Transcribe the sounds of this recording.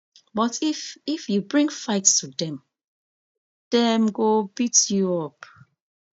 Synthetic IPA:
bɔtififjubɹĩŋfaɪtstʰudɛ̃m | d̥ɛmɡobitjuɔp̚

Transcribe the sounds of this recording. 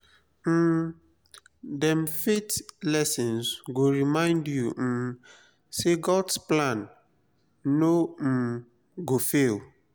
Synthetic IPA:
dɛ̃mfetlɛsĩnsɡoɹimãɪ̃ndju | seɡɔdsplãnː | om̩ | ɡofel

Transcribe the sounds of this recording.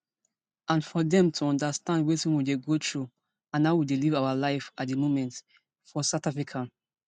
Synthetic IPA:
ãnfɔdɛ̃mtʰuɔ̃ndastãndwetĩnwideɡotʰɹu | ãnːaʊwidelivaʊalaɪfat̚demomɛ̃nt | fɔsatafɹikʰa

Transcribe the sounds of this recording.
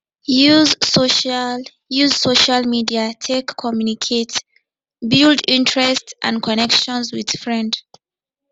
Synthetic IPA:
juzsoʃa | juzsoʃalmidiatʰekʰːɔmjunikʰet | bildĩntʰɹɛstʔã̰nkʰɔnɛkʃɔ̃nzwið̥fɹɛ̃nd

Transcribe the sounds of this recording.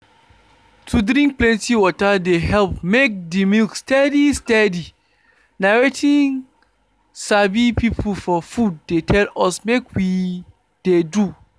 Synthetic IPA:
tʰudɾĩŋk̚plɛ̃ntiwɔtadeɦɛlpmek̚dimilkstɛdistɛdi | naɹetʰĩŋ | sabipipʰl̩fɔfud̚ːetʰɛlɔsmekwi | d̥edu

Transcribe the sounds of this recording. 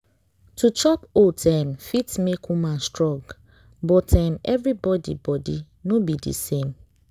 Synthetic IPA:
tʰut͡ʃɔpotʰãmfitmekʰumãnstɹɔ̃ɡ | bɔtʰãmɛvɹibɔdḭbɔdi | nobidḭsẽm

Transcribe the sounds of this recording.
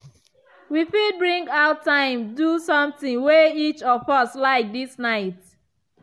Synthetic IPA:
wifibɹĩŋɡaʊttãɪ̃mdusɔ̃mθĩŋweit͡ʃɔfʌslaɪk̚disnaɪt

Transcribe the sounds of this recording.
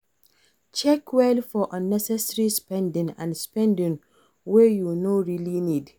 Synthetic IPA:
t͡ʃɛkwelfɔʔə̃nɛsɛsɹispɛ̃ndɪ̃ŋã̰nspɛ̃ndɪ̃ŋ | wɛjunoɹilinid

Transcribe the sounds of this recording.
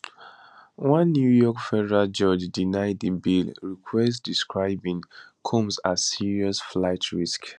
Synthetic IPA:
wʌ̃nːjujɔkfɛdɛɹald͡ʒɔd͡ʒdinaɪdĩnbilɹikʰwɛstdiskɹaɪbĩŋkʰɔ̃msasiɹiɔsflaɪtʰɹisk

